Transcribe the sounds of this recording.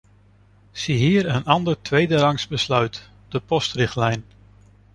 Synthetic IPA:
siɦiːɾənɑndəɹtʰʋejdəɾɑŋsbəslœɥt | d̥əpɔstrɪχtlɛjn

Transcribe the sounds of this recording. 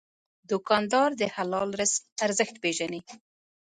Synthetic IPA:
d̪ʊkɑnd̪ɑɾd̪əhalɑlɾəsaɾzəxt̪peʒani

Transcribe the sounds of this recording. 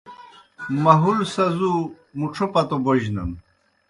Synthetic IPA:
mɐɦulsɐzu | muʈ͡ʂʰopɐt̪oboʑnɐ̰n

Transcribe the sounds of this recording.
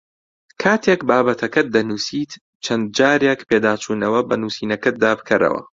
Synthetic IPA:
kʰaːt̪ʰeːkbaːbɐt̪ʰɐkɐt̪̚d̪ɐnuːsiːt̪ | t͡ʃʰɐnd̪̚d͡ʒaːɾekpʰeːd̪aːt͡ʃʰuːnɐwɐbɐnuːsiːnɐkɐt̪̚d̪aːbɨkʰɐɾɐ̰wɐ̰

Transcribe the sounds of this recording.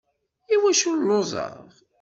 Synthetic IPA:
iwæʃulozˤə̰ð

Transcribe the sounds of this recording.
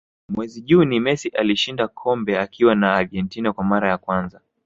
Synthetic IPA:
mwɛziʄunimɛsiʔaliʃindakʰɔmbɛakʰiwanaːɾɡɛntinakwamaɾajakwanza

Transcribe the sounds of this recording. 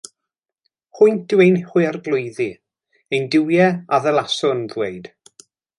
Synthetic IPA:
hʊjnd̥ɪwejnhʊɨarɡlˠʊjði | ejndɪwjɛaðɛlˠasʊnðweɨd̥

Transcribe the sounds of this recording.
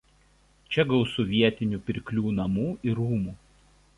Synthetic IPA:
t͡ʃʲɛɡɐʊsʊʋʲiɛt̪ʲɪnʲupʲɪɾʲkʲlʲuːnɐmuːɪɾuːmuː

